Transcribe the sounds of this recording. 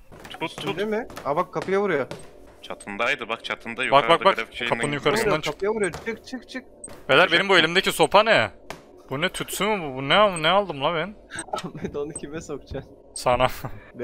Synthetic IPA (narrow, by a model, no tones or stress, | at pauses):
t̪ʰut̪ʰːud̪emɪabakʰːapʰɯjavuɾujo | t͡ʃʰat̪ʰɯnd̪ajd̪ɯbak̚t͡ʃʰat̪ʰɯnd̪ajbak̚bak̚bakʃekʰap̪ɯnɯnjukʰaɾɯsnd̪ant͡ʃʰkt̪javuɾjot͡ʃʰɯk̚t͡ʃʰɯk̚t͡ʃʰɯk̚ | velʲæɾbenimbue̞lʲimd̪eciso̞pʰanɛ | b̥unɛt̪ʰut̪synmɯbubunɛamnɛalˠd̪ɯmlˠabɛnmɛd̪onɯcʰibɛsokt͡ʃʰa | sana